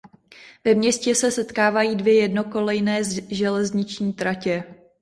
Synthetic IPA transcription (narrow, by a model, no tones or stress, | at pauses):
vɛmɲɛscɛsɛsɛt̪kaːvajiːdvjɛjɛdnoko̞lɛjnɛːʒɛlɛzɲɪt͡ʃɲiːt̪ɾacɛ